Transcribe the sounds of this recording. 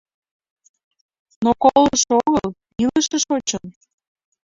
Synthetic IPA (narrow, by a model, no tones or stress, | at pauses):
nokoləʃoɣəl | iləʃəʃot͡ɕən